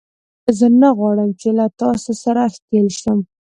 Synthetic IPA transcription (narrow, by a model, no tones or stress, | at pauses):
əzənaɣwɑɽəmt͡ʃelat̪ɑsosaɾaxt̪elʃəm